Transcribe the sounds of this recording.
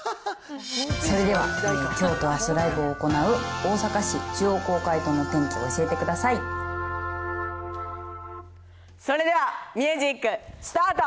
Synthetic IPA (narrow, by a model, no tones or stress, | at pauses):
so̞ɾe̞d̪e̞β̞a̰kʲo̞ːt̪o̞asɨɾaibɯ̟oːko̞naɯ̟o̞ːsakaɕit͡ɕɨːoːko̞ːkait̪o̞no̞t̪ẽ̞ŋkʲio̰ːɕie̞t̪e̞kɯ̟d̪asai | so̞ɾe̞d̪e̞βamʲɯːʑikːɯ̟sɨ̥t̪aːt̪o